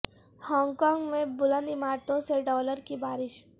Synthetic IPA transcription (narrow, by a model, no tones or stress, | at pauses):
hɔ̃ːŋɡkɔːŋɡmẽbʊlə̃nd̪ɪmaːɾt̪õseɖɔːləɾkibaːɾɪʃ